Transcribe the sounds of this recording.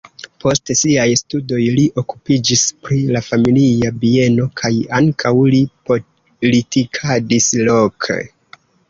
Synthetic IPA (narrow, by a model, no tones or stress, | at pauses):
po̞stsiajstudo̞jliʔo̞ku̥pid͡ʒispɾilafamiliabie̞no̞kʰajaŋkʰawlipo | litikʰadislo̞kʰḛ